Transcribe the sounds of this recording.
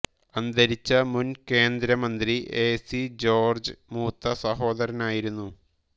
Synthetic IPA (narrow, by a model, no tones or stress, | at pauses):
ɐnd̪ɐɾit͡ɕːɐmunke̞ːnd̪ɾɐmɐnd̪riʔeːsid͡ʑo̞ːrd͡ʑɨmuːt̪ːɐsɐɦo̞ːd̪ɐɾɐnaːjiɾunːu